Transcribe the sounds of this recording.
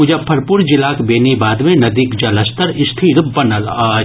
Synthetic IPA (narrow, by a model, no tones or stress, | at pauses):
ʊd͡ʒapʰɐɾpuɾd͡ʒɪlaːkbeːnibaːd̪mẽnɐd̪iːkd͡ʒɐləst̪ʰəɾɪst̪ʰiːɾbɐnəlː